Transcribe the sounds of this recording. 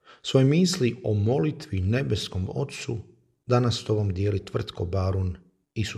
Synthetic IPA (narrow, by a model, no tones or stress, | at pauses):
sʋo̞jemiːsliomo̞lit̪ʋine̞be̞sko̞mo̞̰t̪su | d̪anast̪o̞ʋomd̪jeːlit̪ʋr̩t̪ko̞baɾun | is